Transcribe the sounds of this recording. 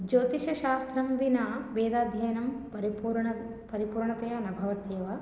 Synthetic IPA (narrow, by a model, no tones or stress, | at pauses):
d͡ʒoːt̪iʃɐʃaːst̪ɾɐmʋinaːʋeːd̪aːd̪ʱjɐjɐnɐmɐɾuɾɳɐ | pɐɾipuːɾɳɐt̪ɐjɐnɐbʱɐʋɐt̪jeːʋɐ